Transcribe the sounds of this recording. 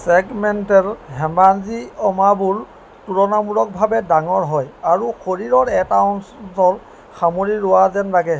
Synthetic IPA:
sɛɡmɛntɛɹɦɛmanziɔmabuɹ | tuɹɔnamuɹɔk̚bʱabɛdaŋɔɹɦɔjaɹuxoɹiɹɔɹɛtawnssɔɹ | xamoɹiɹʊwazɛnɹaɡɛ

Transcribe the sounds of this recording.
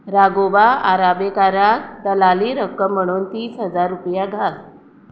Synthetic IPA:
ɾaɡobaaɾabekaɾak̚d̪əlaliːɾəkːəm̤ːəɽ̃uːnt̪iːsɦəd͡zaɾːupjaɡʱas

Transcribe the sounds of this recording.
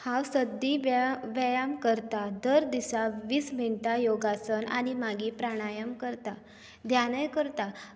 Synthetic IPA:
hawsəd̪iʋʋəjamkəɾt̪ad̪əɾd̪isaʋiːsm̤eɳʈajoɡasəna̰ñimaɡipɾaɽ̃ajəmkəɾt̪a | d̪ʱjanəjkəɾt̪a

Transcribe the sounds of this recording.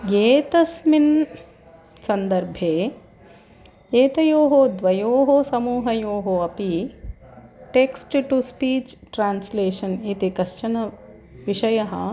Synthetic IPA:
ɡeːt̪ɐsmin | sɐnd̪ɐɾbʱeː | eːt̪ɐjoːɦod̪ʋɐjoːɦosɐmuːɦɐjoːɦoɐpi | ʈeksʈʈuspiːt͡ʃʈɾaːnsleːʃɐnit̪ikɐʃt͡ʃɐnɐ | ʋiʃɐjɐɦɐ̰

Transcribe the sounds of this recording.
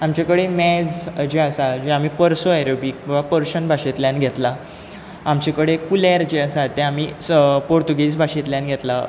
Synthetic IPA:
amt͡ɕekəɽemɛd͡zd͡ʑeasad͡ʑeam̤iːpəɾsoajɾobik̚ʋapəɾɕənbʱaɕet̪ljanɡʱet̪la | amt͡ɕekəɽekulaɾd͡ʑeəsat̪ːɛam̤iːpoɾt̪uɡisbʱaɕet̪ljãnɡʱet̪la

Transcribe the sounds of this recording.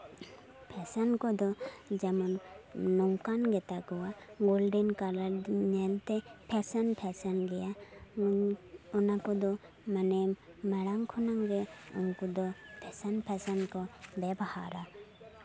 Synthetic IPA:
pʰɛsankɔd̪ɔd͡ʒamɔnːɔŋkanɡɛt̪aɡɔwaɡolɖinkalanɛlt̪ɛpʰɛsanpʰɛsanɡɛja | ɔnakɔd̪ɔ | manɛmaɽaŋkʰɔnaŋɾɛṵnkɔd̪ɔpʰɛsanpʰɛsankɔbɛbɔha̰ɾa

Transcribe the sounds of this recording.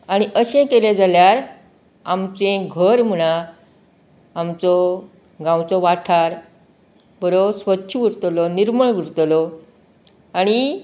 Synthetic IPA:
aɽ̃iʔəɕẽkeled͡zaljaɾ | amt͡sẽɡʱəɾm̤uɽ̃a | mt͡sɔ | ɡãwt͡sɔʋaʈʰaɾ | bəɾosʋətːɕʰəʋiɾt̪lɔniɾməɭʋiɾt̪lɔ | aɽ̃i

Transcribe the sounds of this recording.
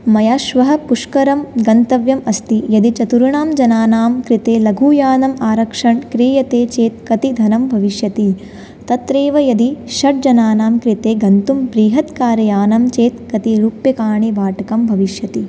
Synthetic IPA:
mɐjaːʃʋɐɦɐ̆puʂkɐɾɐmɡɐnt̪ɐʋjɐmɐst̪ijɐd̪it͡ʃɐt̪uɾuɳaːmd͡ʒɐnaːnaːmkɾit̪eːlɐɡʱuːjaːnɐmaːɾɐkʂɐɳkɾiːjɐt̪eːt͡ʃeːt̪̚kɐt̪id̪ʱɐnɐmbʱɐʋiʃjɐt̪i | t̪ɐt̪ɾeːʋɐjɐd̪iʃɐʈ̚d͡ʒɐnaːnaːmkɾit̪eːɡɐnt̪umbɾiːɦɐt̪kaːɾɐjaːnɐmt͡ʃeːt̪kɐt̪iɾuːpjɐkaːɳiʋaːʈɐkɐmbʱɐʋiʃjɐt̪i

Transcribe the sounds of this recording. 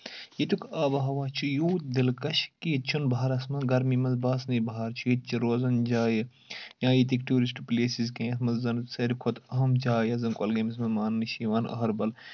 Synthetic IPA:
jit̪ukaːbɐɦɐʋaːt͡ʃʰujuːd̪ilkɐʃkit͡ʃʰunbaɐɾɐsmɐnɡɐɾmimɐnzbaːsnibɐɦaːɾt͡ʃʰujit̪̚t͡ʃʰiɾoːzɐnd͡ʒaːji | jãːjit̪̬ikʈuːɾisʈpleːsizkẽːɐt̪mɐzzɐnsɐɾʲikʰot̪ɐɦɐmt͡ʃaːjɐzɐnkʼolɡɐmismɐnmaːnnɨʃiːʋaːnɐ̰ɦɐɾbɐl

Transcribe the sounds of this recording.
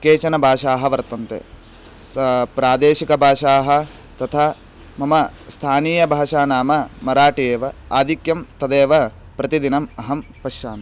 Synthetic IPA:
keːt͡ʃɐnɐbʱaːʂaːɦɐʋɐɾt̪ɐnt̪ḛ | spɾaːd̪eːʃikɐbʱaːʂaːɦɐ̆ | t̪ɐt̪ʰaː | mɐmɐ | st̪ʰaːniːjɐbʱaːʂaːnaːmɐmɐɾaːʈijeːʋɐaːd̪ʱikjɐmt̪ɐd̪eːʋɐ | pɾɐt̪id̪inɐmɐɦɐmpɐʃjaːmɐ

